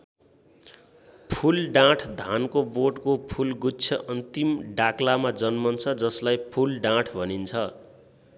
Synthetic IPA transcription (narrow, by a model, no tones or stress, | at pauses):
pʰulɖãʈʰd̪ʱankoboɖkopʰulɡut͡sʰʌʔʌnt̪imɖaklamad͡zʌnmʌnt͡sʰʌd͡zʌslajpʰulɖãʈʰbʱʌnint͡sʰʌ